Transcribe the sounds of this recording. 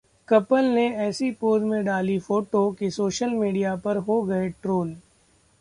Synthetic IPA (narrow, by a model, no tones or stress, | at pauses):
kɐpəlneɛːsipoːzmẽɖaːlifoːʈokisoːʃəlmiːɖijapɐɾɦoɡɐeʈɾoːl